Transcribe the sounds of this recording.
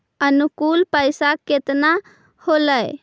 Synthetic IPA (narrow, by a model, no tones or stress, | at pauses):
ənukulpəɪsaket̪na | holəj